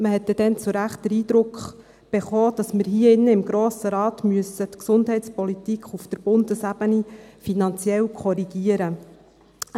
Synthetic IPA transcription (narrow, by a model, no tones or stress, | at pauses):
məɦɛt̪ːɛd̥ɛnt͡sʊɾæχtdəɾiːd̪ɾʊkχ | b̥eχɔːd̥ɑsməɾɦiːəɪnːəɪmɡɾoːsəɾɑːt̪myəsətksʊndɦɛɪtt͡spɔlit̪ikχufd̥̪əɾb̥ʊndəsæb̥ənifinɑnt͡sjɛlkʰɔɾiɡ̥iəɾə